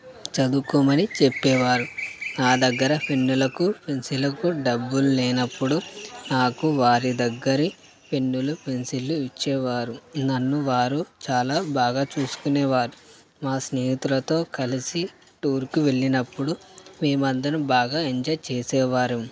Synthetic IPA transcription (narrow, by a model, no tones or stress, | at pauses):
t͡ʃɐd̪ukuːmɐnit͡ʃepːɛːʋaːɾunaːd̪ɐɡːɐɾɐpʰenːulɐkupʰensilɐkuɖɐbːululɛːnɐpːuɽunaːkuʋaːɾid̪ɐɡːɐɾi | pʰe̞nːulupʰensilːuit͡ʃːɛːʋaːɾunɐnːuʋaːɾut͡ʃaːlaːbaːɡaːt͡ʃuːsu̥kunɛːʋaːɾu | maːsneːɦit̪ulɐt̪o̞ːkɐlisi | ʈuːɾkiʋe̞ɭːinɐpːuɽumiːmɐd̪ːɐnubaːɡaːeɲd͡ʒɐːjt͡ʃeːsɛːʋaːɾu